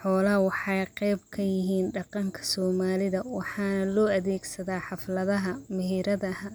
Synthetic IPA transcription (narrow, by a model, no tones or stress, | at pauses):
ħɔːlɐɦwɑħɑjqɛjb̚kʰɐjɪɦiːnɖɑqɑŋkʰɐ̥sɔːmaːlɪðɐwɑħɑːnɐlɔːɐðɛːɡsɐðaːħɑflɐðɐɦɐmɪɦiːɾɐðɐhɐ